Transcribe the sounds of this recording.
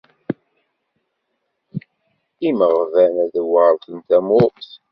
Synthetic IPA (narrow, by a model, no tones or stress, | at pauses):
iməʁəvænæðwəðˤθənt̪æmʊtθ